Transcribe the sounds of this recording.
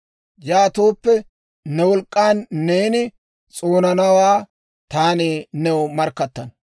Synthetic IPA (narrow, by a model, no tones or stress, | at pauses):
jaːt̪oːpːɛ | nɛwɔlkʼːaːnːeːnɪ | t͡sʼoːnɐnɐwaː | t̪aːnenɛwɔmɐɾkːɐt̪ːɐn